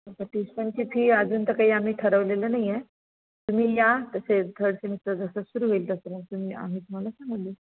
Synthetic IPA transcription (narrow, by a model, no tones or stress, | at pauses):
pəʈispəɲt͡ɕiːpʰiːad͡zuːnt̪əkaɦiːam̤iːʈʰəɾəʋlelənaɦje | t̪um̤iːjat̪əset̪ʰəɽsemit̪ɾəd͡zəsəsuɾuːɦoilt̪əsəməɡ̚t̪um̤iːʔa̰m̤iːt̪um̤alasãŋɡliː